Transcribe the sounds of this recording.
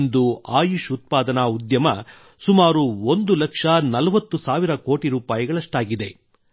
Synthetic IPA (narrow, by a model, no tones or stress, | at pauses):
nd̪uaːjuʂut̪̚paːd̪ɐnaud̪jɐmɐ̰ | sumaːɾuond̪ulɐkʂɐnɐlɐʋɐt̪ːusaːʋiɾɐko̞ːʈiɾuːpaːjiɡɐɭɐʂʈaːɡid̪e̞